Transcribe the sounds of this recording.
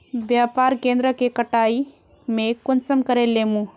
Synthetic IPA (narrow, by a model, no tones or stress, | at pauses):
bjaːpaːɾkẽːnd̪ɾəkekəʈaːi | mẽkʊnsəmkəɾelːeːmũ